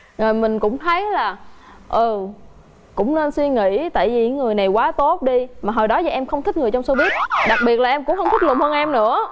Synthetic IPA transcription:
zə˨˩jmï˨˩ŋ̟kʊ̰˧˥ŋ͡mt̪ʰə˨˦jlaː˨˩ | ʔɨ˨˩ | kʊ̰˧˥wŋ͡mne˧nswi˧ŋḭ˧˥t̪a̰ː˧˨jvi˨˩ɲɨ̰˧˥˦ŋŋɨ˨˩əjna˨˩jkwaː˨˦t̪o˦˥t̚ɗi˧maː˨˩ɦoː˨˩jɗɔ˨˦za˨˩ʔɛ˧mxə˧wŋ͡mt̪ï˦˥k̚ŋɨ˨˩ət͡ɕɔ˧wŋ͡mso˧vi˦˥ət̚ɗa˨˩k̚ɓi˨˩ət̚laː˨˩ʔɛ˧mkʊ̰˧˥ŋ͡mxə˧wŋ͡mt̪ʰi˦˥k̚lʊ˨˩ŋ͡mhəː˧nʔɛ˧mnɨ̰˧˥ə

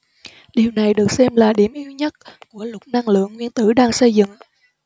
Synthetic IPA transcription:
ɗi˨˩wna˨˩jɗɨ˨˩ək̚sɛ˧mlaː˨˩ɗi˧˩əmʔi˧wɲə˦˥t̚ku˧˩əlʊ˨˩t̚na˧ŋlɨ̰˧˨əŋːwi˧ənt̪ɨ˧˩ɗaː˧ŋsə˧jzɨ̰˧˨ŋ

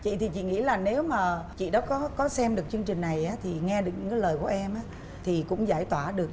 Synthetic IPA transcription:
t͡ɕḭ˧˨t̪ʰi˨˩t͡ɕḭ˧˨ŋḭ˧˥laː˨˩ne˨˦wmaː˨˩t͡ɕḭ˧˨ɗɔ˨˦kɔ˨˦kɔ˨˦sɛ˧mɗɨ˨˩ək̚t͡ɕɨ˧əŋt͡ɕï˨˩ŋ̟na˨˩jʔaː˨˦t̪ʰi˨˩ŋɛ˧ɗɨ˨˩kɲ̰˧˥ŋkːaː˨˦ləː˨˩jku˧˩əʔɛ˧mʔaː˨˦ | t̪ʰi˨˩kʊ̰˧˥ŋ͡mzaː˧˩jt̪waː˧˩ɗɨ˨˩ək̚

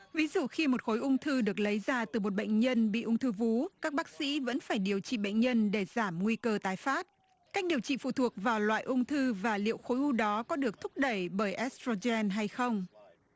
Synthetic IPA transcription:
vi˨˦zṵ˧˨xi˧mo˨˩t̚xo˨˦jʔʊ˧wŋ͡mt̪ʰɨ˧ɗɨ˨˩ək̚lə˨˦jzaː˧˩t̪ɨ˨˩mo˨˩t̚ɓə̰˧˨jŋ̟ɲə˧nɓḭ˧˨ʔʊ˧wŋ͡mt̪ʰɨ˧vu˨˦kaː˦˥k̚ɓaː˦˥k̚sḭ˧˥və̰˧˥nfaː˧˩jɗi˨˩əwt͡ɕḭ˧˨ɓə̰˧˨jŋ̟ɲə˧nɗe˧˩zaː˧˩mŋwi˧kəː˧t̪aː˨˦jfaː˦˥t̚ | kaː˦˥jk̟̚ɗi˨˩əwt͡ɕḭ˧˨fṵ˧˨t̪ʰu˨˩ək̚vaː˨˩wlwa̰ː˧˨jʔʊ˧wŋ͡mt̪ʰɨ˧vaː˨˩lḭ˧˨əwxo˨˦jʔu˧ɗɔ˨˦kɔ˨˦ɗɨ˨˩ək̚t̪ʰʊ˦˥k̚ɗə˧˩jɓəː˧˩jʔɛ˦˥st̪o˧zɛ˧nɦa˧jxə˧wŋ͡m

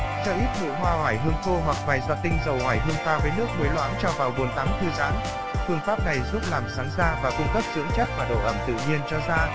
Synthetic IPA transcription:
t͡ɕɔ˧ʔi˦˥p̚t̪ʰɨ̰˧˨ɦwaː˧ɦwaː˧˩jɦɨ˧əŋt̪ʰo˧wa˨˩k̚vaː˨˩jzaː˧t̪ï˧ŋ̟zə˨˩whwaː˧˩jɦɨ˧əŋfaː˧vəː˨˦jnɨ˦˥ək̚mə˨˦jlwa̰ː˧˥nt͡ɕɔ˧vaː˨˩wɓu˨˩ənt̪aː˨˦mt̪ʰɨ˧za̰ː˨˦n | fɨ˧əŋfaː˦˥p̚na˨˩jzu˦˥p̚laː˨˩msaː˨˦ŋzaː˧vaː˨˩kʊ˧ŋ͡mkə˦˥p̚zɨ̰˧˥əŋt͡ɕa˦˥k̚vaː˨˩ɗo̰˧˨ʔə˧˩mt̪ɨ̰˧˨ɲi˧ənt͡ɕɔ˧zaː˧

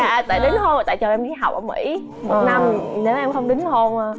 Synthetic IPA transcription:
aː˧˩t̪a̰ː˧˨˩jɗɨ˨˦ŋho˧nʔəː˨˩t̪a̰ː˧˨jt͡ɕəː˨˩ʔɛ˧mɗi˧˩ɦa˨˩k͡p̚ʔəː˧˩mḭ˧˩˥ | mo˨˩t̚na˧mne˨˦wʔɛ˧mxə˧wŋ͡mɗɨ̈˨˦ŋho˧n

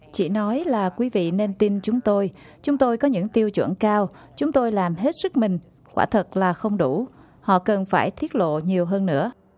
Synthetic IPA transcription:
t͡ɕḭ˧˩nɔ˨˦jlaː˨˩kwi˨˦vḭ˧˨ne˧nt̪i˧nt͡ɕʊ˨˦ŋ͡mt̪o˧j | t͡ɕʊ˨˦ŋ͡mt̪o˧jkɔ˨˦ɲɨ̰˧˥ŋt̪i˧əwt͡ɕwə̰˧˩nkaː˧w | t͡ɕʊ˨˦ŋ͡mt̪o˧jlaː˨˩mɦe˦˥t̚sɨ˦˥k̚mï˨˩ŋ̟ | kwa̰ː˧˩t̪ʰə˨˩t̚laː˨˩xə˧wŋ͡mɗu˧˩ | hɔ̰˧˨kə˨˩nfaː˧˩jt̪ʰi˦˥ət̚lo̰˧˨ɲi˨˩əwɦəː˧nːɨ̰˧˥ə

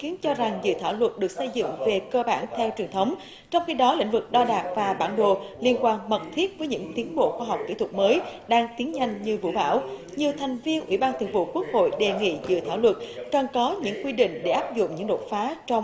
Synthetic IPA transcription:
xi˨˦ənt͡ɕɔ˧za˨˩ŋzɨ̰˧˨t̪ʰaː˧˩wlwə˨˩t̚ɗɨ˨˩ək̚sə˧jzɨ̰˧˨ŋve˨˩kəː˧ɓaː˧˩nt̪ʰɛ˧wt͡ɕwənt̪ʰə˨˦wŋ͡m | t͡ɕɔ˧wŋ͡mxi˧ɗɔ˨˦lḭ˧˨ŋ̟vɨ˨˩k̚ɗɔ˧ɗaː˨˩t̚vaː˨˩ɓaː˧˩nɗo̰˧˨li˧ənkwaː˧ŋmə˨˩t̚t̪ʰi˦˥ət̚vəː˨˦jɲɨ̰˧˥ŋt̪i˨˦ənɓo̰˧˨xwaː˧ɦa˨˩wk͡p̚kḭ˧˥t̪wə˨˩t̚məː˨˦jɗaː˧ŋt̪i˨˦ənɲa˧jŋ̟ɲɨ˧vṵ˧˩˨ɓa̰ː˧˩w | ɲɨ˨˩əwt̪ʰɛ˨˩jŋ̟vi˧ənʔwḭ˧˩ɓaː˧nt̪ʰwŋvṵ˧˨ku˦˥ək̚ho̰˧˨jɗe˨˩ŋḭ˧˨zɨ̰˧˨t̪ʰaː˧˩wlwə˨˩t̚kə˨˩nkɔ˨˦ɲɨ̰˧˥ŋkwi˧ɗḭ̈˧˨ŋ̟ɗe˧˩ʔaː˦˥p̚zʊ̰˧˨ŋ͡mɲɨ̰˧˥ŋɗo˨˩t̚faː˨˦t͡ɕɔ˧wŋ͡m

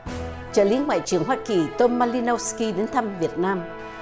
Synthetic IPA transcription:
t͡ɕəː˧˩lḭ˨˦ŋwa̰ː˧˨jt͡ɕɨ˨˩əŋɦwaː˧ki˨˩t̪o˧nmaː˧li˧no˧ski˧ɗe˨˦nt̪ʰə˧mvi˨˩ət̚naː˧m

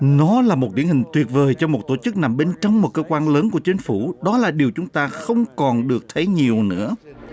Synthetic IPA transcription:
nɔ˨˦laː˨˩mo˨˩t̚t̪i˧˩ənhi˨˩ŋ̟t̪wi˨˩ət̚vəː˨˩jt͡ɕɔ˧mo˨˩t̚t̪o˧˩t͡ɕɨ˦˥k̚na˨˩mɓe˧nt͡ɕɔ˧wŋ͡mmo˨˩t̚kəː˧kwaː˧nləː˨˦nku˧˩ət͡ɕï˨˦ŋ̟fu˧˩ɗɔ˨˦laː˨˩ɗi˨˩əwt͡ɕʊ˨˦ŋ͡mt̪aː˧xə˧wŋ͡mkɔ˨˩nɗɨ˨˩ək̚t̪ʰə˨˦jɲi˨˩əwnɨ̰˧˥ə

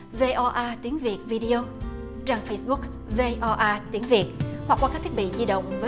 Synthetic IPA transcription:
ve˧ʔɔ˧ʔaː˧t̪i˨˦əŋvi˨˩ət̚vi˧ɗi˧o˧ | t͡ɕaː˧˩ŋfə˧jsɓʊ˦˥k̚ | ve˧ʔɔ˧ʔaː˧t̪i˨˦ŋvi˨˩ət̚hwa˨˩k̚waː˧kaː˦˥kt̪ʰi˦˥ɓḭ˧˨zi˧ɗə̰˧˨wŋ͡mvəː˨˦

